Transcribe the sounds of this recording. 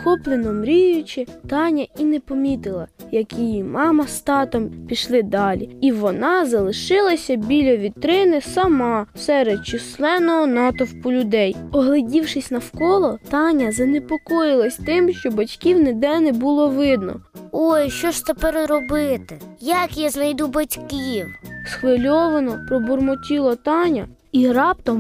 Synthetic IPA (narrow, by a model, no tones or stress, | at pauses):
xɔplˠenɔmɾʲijʊt͡ʃɪt̪ɑnʲɐinɛpɔmʲit̪ɪlˠɐjɐkʲijimɑmɐst̪ɑt̪ɔmpʲiʃlˠɪd̪ɑlʲiiʋɔnɑzɐlˠɪʃɪlˠɐsʲɐbʲilʲɐʋʲit̪ɾɪnɪsɐmɑsɛɾed̪̚t͡ʃɪslˠɛnɔɦɔnɑt̪ɔwpʊlʲʊd̪ɛjɔɦlˠɪdʲiwʃɪsʲnɐwkɔlˠɔt̪ɑnʲɐzɐnepɔkɔjɪlˠɐsʲt̪ɪmʃt͡ʃɔbɐtʲkʲiwned̪ɛnɛbʊlˠɔʋɪd̪nɔ̰ojʃt͡ʃɔʃt̪ɐpɛɾɾɔbɪt̪ɪjɐkjaznɐjd̪ubɐtʲkʲiwsxʋɪlʲɔʋɐnɔpɾɔbʊrmɔtʲilˠɔt̪ɑnʲɐ | iɾɑp̚t̪ɔm